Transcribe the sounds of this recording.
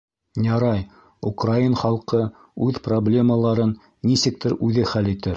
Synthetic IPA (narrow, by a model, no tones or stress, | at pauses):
jɑɾɑj | ukrainχɑlˠqɤ | ʉðproblʲe̞məlˠɑɾɤnː | isɘ̆k̚t̪ɘɾʉðɘχælit̪ɘɾ